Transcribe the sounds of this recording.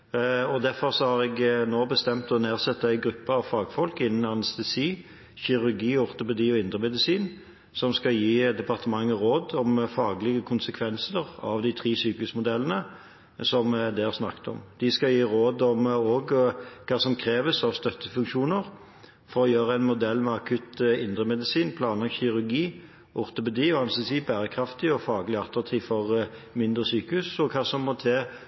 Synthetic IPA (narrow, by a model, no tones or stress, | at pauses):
ɔd̪æfɔʁsɔhɑʁɛɡnoːbəst̪ɛmt̪ɔneːʁsɛt̪ːəæɪɡɾʉpːəɑʋfɑːɡfɔlkɪnːn̩ɑnɛst̪ɛsiː | çɪʁʉʁɡiːɔʁt̪ʊpɛd̪iːɔɪnd̪ʁəmɛd̪ɪsiːn | sɔmskɑjiːd̪ɛpɑʁt̪əmɑŋːəɾoːd̪ɔmfɑːɡlɪɡəkʰʊnsəkʰʋɛnsəʁɑ̰ʋd̪ɪt̪ʰʁiːsyːkəsmʊd̪ɛlːənə | sɔmd̪ɛæʁsnɑ̰kːt̪ɔ̰md̪̥ɪskɑljiːɾoːd̪ɔmoːɡkʰɑːsɔmkʰɾeːʋəsɑʋst̪œt̪ːəfʉŋkʃuːnəʁ | fɔɾɔjøːɾəæɪnmʊd̪ɛlːmɛɑkʰʉt̪ɪnd̪ʁəmɛd̪ɪsiːnpʰlɑːnlɑɡçɪʁʉɾɡiː | ʔʊʁt̪ʊpɛd̪iːɔɑnsəsiːbæːɾəkʰɾɑft̪ɪɔfɑːɡəlɪɑt̪ːɾɑt̪ʰiːfɔʁmɪnd̪ɾəsyːkəʉsɔkʰɑːsɔmːɔt̪ʰeː